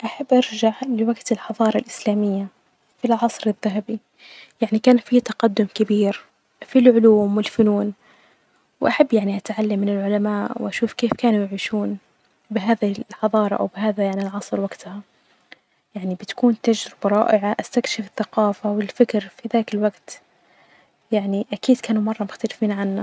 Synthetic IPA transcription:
ʔaħabːʔɑɾˤʒaʕlɪwaɡt̪ɪlħɑðˤɑːɾˤɑlʔɪslaːmɪjːa | filʕɑsˤɾɪðːaɦabi | jaʕnikaːnfit̪ɑqɑd̪ːʊmkabiːɾ | filʕʊluːmwɪlfʊnuːn | wʔaħabːjaʕniʔat̪ʕalːamːɪnɪlʕʊlamaːʔwʔaʃuːfkeːfkaːnujɪʕiːʃuːn | bɪɦaːðiħɑðˤɑːɾˤɑʔa̰wbɪɦaːðajaʕnɪlʕɑsˤɾwaɡt̪ʊha | jaʕnibɪt̪ḁkuːnt̪ad͡ʒɾɪb̥aɾˤɑːʔɪʕaʔast̪akʃɪfɪθːaqɑːfawɪlfɪkɾfiðaːkɪlwaɡt̪ | jaʕniʔakiːd̪kaːnumɑrˤːɑmʊxt̪alɪfiːnʕanːa

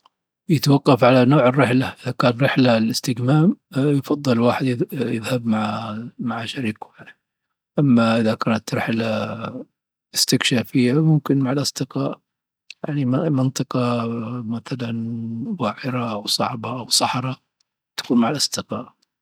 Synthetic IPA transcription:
jɪt̪wɑqːɑfʕalanoːʕɪrːɪħlaʔɪðakaːnɾɪħlalɪst̪ɪɡmaːmjfɑðˤːɨlwaːħɪd̪jjɪ̰ðhabmaʕmaʕaʃaɾiːkjani | ʔamːaʔɪðakaːnat̪ɾˤħala | ʔɪst̪ɪkʃaːfɪjːamʊmkɪnmaʕalʔɑsˤd̪ɨqɑːʔ | jaʕnimmɪnt̪ˤɨqɑmaθalanwaːʕɪɾaʔawsˤɑ̰ʕbaʔawsˤɑħɾˤɑ | t̪ḁkuːnmaʕalʔɑsˤd̪ɨqɑːʔ

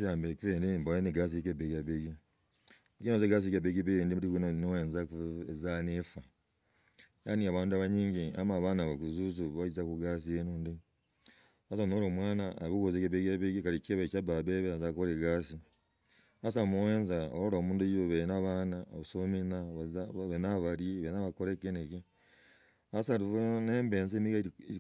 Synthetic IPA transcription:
sjaːmbekiɾendimbojeniɡas̬iekebeɡaβiɡi | kinozeɡas̬ikebeɡibiɡeːndimuɾikunonoweːnzakuezanifa | janiaβaːnduaβaɲiːɲɟia̰maβaːnaβakuzuzuβaizakuɡas̬ijenuːndi | asanoɾoːmwaːnaːβikozekeβeɡeβeɡikaɾikeβet͡ʃababeβeazakoɾeɡaːsi | as̬amuweːnzaoɾoɾoːmuːnduoβenaβaːnaβasominaβazβenaβaɾjeβenaβakoɾekeneke | asaɾiβoneːmbeːnzemiɡa

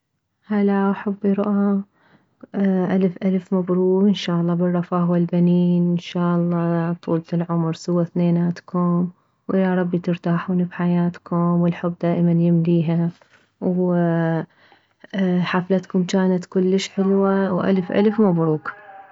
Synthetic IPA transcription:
halaʔaħabːiɾˤʊʔa | ʔalfʔalfmabɾuːɡʔɪnʃaːʔɑlˤːɑːbɪrˤːɑfaːhwɪlbaniːnɪnʃaːʔɑlˤːɑːt̪ˤṵːlt̪ɪlʕʊmɾˤsʊwːaθneːnaːt̪kʰʊm | wʔɪjaɾˤɑbːit̪ɪɾt̪aːħuːnibħajaːt̪kʊmwɪlħʊbːd̪aːʔmanjɪmliːɦa | w | ħaflat̪kʊmt͡ʃaːnat̪kʊlːəʃħɪlwawʔa̰lfʔa̰lfmabɾuːɡ

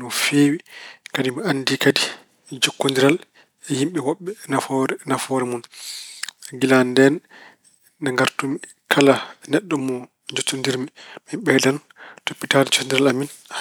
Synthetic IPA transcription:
nɔfeːwikadimianːdikadi | d͡ʒokːondiɾal | ɛhimɓɛwɔɓːɛnafɔɾnafɔɾɛmun | ɡilandɛnː | aŋɡaɾtumi | kʰalanɛɗːɔmɔ | d͡ʒotːundiɾmimaɓɛːdan | topːitaːdɛd͡ʒɔndiɾalamin

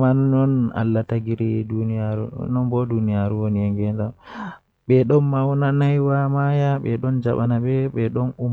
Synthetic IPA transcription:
manɔna̰lːataɡiɾidunijaɾṵnɔnbɔdunijaɾuwonijaŋɡɛnda | ɓɛɗɔnmawnanajwamajaɓɛɗɔnd͡ʒaɓanaɓɛɓɛɗɔnum

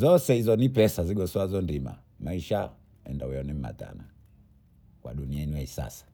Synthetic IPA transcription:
zɔsɛizɔnipɛsaziɡɔsɔazɔndima̰ | maiʃa | ɛndawɛɔnim̩ma̰ta̰na | kwa̰ɗuniainuɛisa̰sḁ

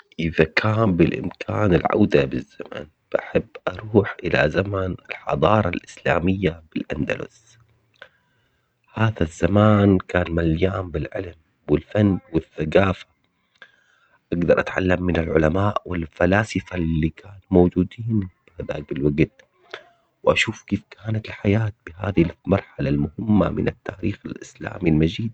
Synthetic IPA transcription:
ʔɪðakʰaːmbɪlʔɪ̰mkʰaːnɪlʕa̰wd̪abɪzːama̰n | b̥aħɪbːʔɑɾˤuːħʔɪla̰zamanɪlħɑ̰d̪ˤɑːɾˤɑlʔɪsla̰ːmɪjːab̥ɪlʔand̪a̰lʊ̰s | haːðazːamaːnkaːnmaljaːmbɪlʕɪ̰lm | wɪlfanːwɪθːaɡaːfḁ | ʔaɡd̪ɑɾˤʔat̪ʕa̰lːamːɪnalʕʊ̰lamaːʔwɪlfalaːsɪfalːiːkaːnmowd͡ʒuːd̪iːnb̥ɪhaða̰ːk̚bɪlwaɡt̪̚ | wɪʔaʃuːfkeːfkaːnat̪ɪlħajaːt̪̚bɪha̰ːðhlmɑɾˤħalalmʊhɪmːa̰mɪ̰nat̪ːaːɾiːxalʔɪsla̰ːmilmad͡ʒiːd̪̚

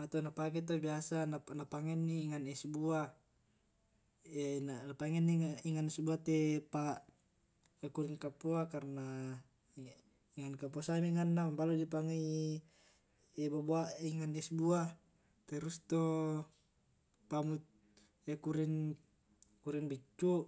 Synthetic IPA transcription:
at̪onapakɛt̪̬obiasananapaŋɛnːiːŋanɛsubua | ɛnanapaŋɛnːiŋaiŋansubuat̪ɛpa | ekuɾiŋkapːuakarna | iŋankapuasamiŋanːaambaludipaŋe | ɛbaboaiŋanɛsbua | t̪ɛɾust̪o | pamut̪̚ | ɛkuɾin | kuɾiŋbit͡ʃːu

